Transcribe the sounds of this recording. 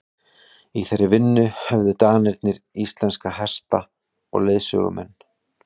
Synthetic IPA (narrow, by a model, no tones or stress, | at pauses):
iθɛrːɪvɪnːʏhɛvðʏt̪aːɣnɪɾt̪nɪɾist̪lɛnskaɦɛst̪a | ɔ̰ɣleːðsœ̰ɣʏ̰mɛ̰nː